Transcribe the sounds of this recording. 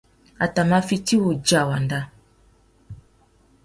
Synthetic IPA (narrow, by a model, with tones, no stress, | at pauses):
a˨ta˨ma˦fi˦ti˦wo˨d͡ʒa˨wa˨nda˦